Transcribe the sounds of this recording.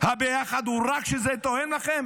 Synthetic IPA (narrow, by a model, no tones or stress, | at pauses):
habejaχad̪huʁakʃezɛt̪ohenlaχem